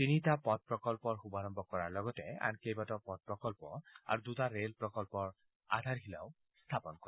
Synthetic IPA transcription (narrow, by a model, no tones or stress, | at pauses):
tinitapɔt̚pɹɔkɔlpɔɹxubaɹɔmbɔkɔɹaɹlɔɡɔtɛa̰nkejbatɔpɔt̚pɹɔkɔlpɔa̰ɹudutaɹelpɹɔkɔlpɔɹ | a̰dʱaɹɦila̰ʊ | st̪ʰapɔnkɔɛ